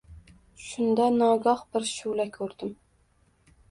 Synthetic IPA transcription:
ʃund̪ɑnɑɡɑχbɪɾʃulɛkʲʰøɾd̪ɪm

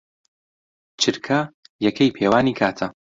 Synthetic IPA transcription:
t͡ʃʰɨɾkʰɐjɛkʰɐjpʰeːwaːniːkʰaːt̪ʰɐ

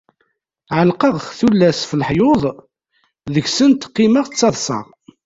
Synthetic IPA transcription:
ʕəlqəʁxθulːæsfəlħjoðˤ | ðəçsənt̪qːiməʁt͡sːɑðˤsɑ̰ʁ

